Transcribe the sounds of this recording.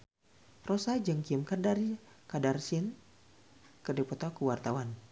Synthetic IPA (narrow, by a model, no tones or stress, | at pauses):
rosad͡ʒɨŋkimkərdarikadarsin | kərdipɔt̪ɔkuwart̪awan